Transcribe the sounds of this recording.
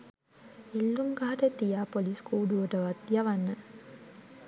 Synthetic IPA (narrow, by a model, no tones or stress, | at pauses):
elːuŋɡaːʈɐt̪ːijapoliskuːɖuɐʈɐʋɐt̪jɐʋɐnːɐ